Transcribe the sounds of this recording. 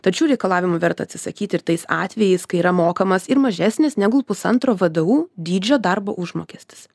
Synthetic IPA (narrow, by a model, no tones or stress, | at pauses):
t̪ɐt͡ʃʲuːɾʲɛɪkɐlˠɑːʋʲɪmʊʋʲɛɾt̪ɐt̪ʲsʲɪsɐkʲiːt̪ʲɪɾt̪ɐɪsɑːt̪ʲʋʲɛjɛɪskɐɪiːɾɐmoːkɐmɐsɪɾmɐʒʲæːsʲnʲɪsnʲæːɡʊpʊsɐnt̪ɾoːʋɐd̪ɐuːd̪ʲiːd͡ʒʲoːd̪ɐrbo̰ːʔʊʒmoːkʲeːsʲt̪ʲɪ̥s